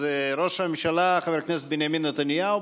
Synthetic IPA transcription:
zeɾoʃhamemʃalaχaveɾkneset̪binjaminːet̪anjau

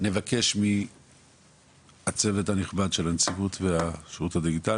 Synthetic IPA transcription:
ne̞vake̞ʃmi | at͡se̞ve̞thaniχbad̪ʃe̞lant͡sivutveaʃuthad̪iɡita

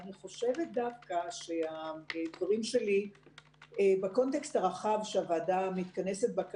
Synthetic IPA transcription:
niχo̞ʃe̞vet̪̚d̪avkaʃeaetoʁimʃe̞li | ebeko̞nt̪e̞kstaʁaχavʃeavaːdamit̪kane̞set̪̚bak

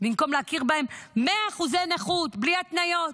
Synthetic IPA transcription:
bimko̞mleakiʁbahemːeaːχuzeneχut̪bliat̪najo̞t̪

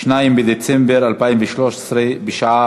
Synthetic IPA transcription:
ʃnajimbed̪et͡sɛmbeʁalpaːimveʃloʃe̥sɾebeʃaʕa

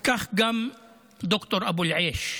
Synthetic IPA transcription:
kaxɡam | d̪ʊkt̪oɾˤʔabuːlʕeːʃ

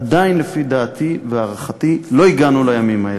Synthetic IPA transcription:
adainlefid̪aːt̪ʰiveaʁaχatilo̞iɡanulajamimhae

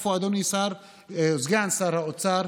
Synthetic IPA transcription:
foad̪ɔnisaɾ | zɡansaɾhaɔt͡saɾ

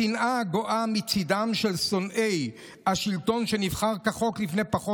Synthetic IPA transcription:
inʔaɡoʔamit͡sid̪amʃe̞lsonʔej | aʃilt̪o̞nʃe̞nivχaʁkaχo̞klifnepaχo

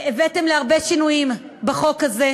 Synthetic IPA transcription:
evetemleaʁbe̞ʃinujim | beχo̞kaze

